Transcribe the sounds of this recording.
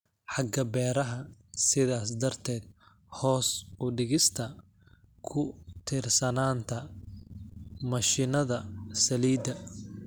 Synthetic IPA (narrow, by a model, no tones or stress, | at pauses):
ħɑɡɐbɛːɾɐɦɐsɪðaːs̬d̪ɐrt̪ʰɛːd̪̥̚ | hɔːsʊɖɪɣɪst̪ʰɐ | kʰʊt̪ʰɪrsɐnaːnt̪ʰɐ | mɐʃɪnɐðɐsɐliːd̪ɐ